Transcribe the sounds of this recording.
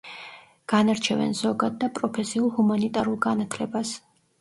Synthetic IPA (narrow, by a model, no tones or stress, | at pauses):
ɡ̥anaɾt͡ʃʰɛvɛ̰nz̥ɔɡad̪̚ːapʼɾɔpʰɛsiulˠhumanit̪ʼaɾulˠɡanat̪ʰlɛbas